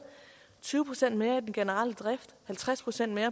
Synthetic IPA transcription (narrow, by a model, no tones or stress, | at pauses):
t͡sʰyːʊpʰʁo̥sen̰d̥me̝ːɐid̥enɡ̥e̝nəʁɑl̰əd̥ʁafd̥hælt͡sʰʁaspʰʁo̝sen̰d̥me̝ːɐ